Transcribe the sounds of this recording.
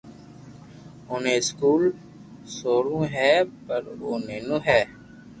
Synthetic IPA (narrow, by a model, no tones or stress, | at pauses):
ʊːnẽːɪskuːl | soːɾõːɦɛːpəɾo̰ːneːnũɦɛː